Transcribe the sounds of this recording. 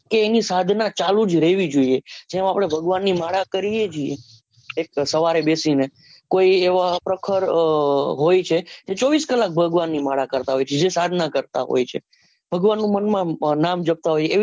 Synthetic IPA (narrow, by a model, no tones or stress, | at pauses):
keːnisad̪ʱnat͡ʃalũd͡ʒɾɛɦʋid͡ʒoied͡ʒemapɽ̃ebʱəɡʋanːimaɽakəɾijet͡ʃʰiḛ | ek̚səʋaɾebesine | koieʋapɾəkʰəɾ | ɦojt͡ʃʰed͡ʒet͡ʃɔʋiskəlak̚bʱəɡʋanːimaɽakəɾt̪aɦojt͡ʃʰed͡ʒesad̪ʱnakəɾt̪a̰ɦo̰jt͡ʃʰḛ | b̥ʱəɡʋanːũmənmãnamd͡ʒəb̚t̪aɦojeː